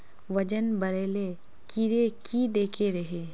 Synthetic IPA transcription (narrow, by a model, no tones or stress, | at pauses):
ʋɐd͡ʒənbɐɾeːle | kiɾekid̪eːkʰeɾɐɦeː